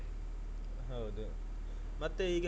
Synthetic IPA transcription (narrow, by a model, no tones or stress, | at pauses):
ɦɐwd̪u | mɐt̪ːeiːɡɐ